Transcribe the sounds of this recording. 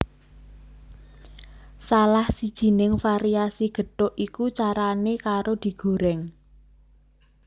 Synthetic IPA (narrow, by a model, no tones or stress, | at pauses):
salahsid̥ʒ̥i̤nɪŋfaɾiasiɡ̥ə̤ɖoʔikut͡ʃaɾanekaɾod̪̥i̤ɡ̥o̤ɾɛŋ